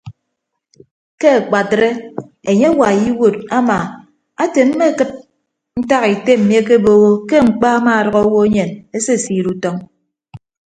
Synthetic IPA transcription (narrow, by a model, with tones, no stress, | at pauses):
ke˦a˨k͡pa˨tɾe˦e˨ɲe˦wa˨ji˦wo˨ta˦ma˨ | a˦te˨m̩˦me˦kɨ˦t̚ | n̩˦ta˦ɣi˨te˦m̩˨mje˦ke˦bo˦ɣo˦ke˦ŋ͡m̩˨k͡pa˦a˦ma˦a˨ɾʌ˨ɣɔ˦o˦wo˦e˦ɲe˨ne˦se˦˨siː˨ɾu˦tɔ˦ŋ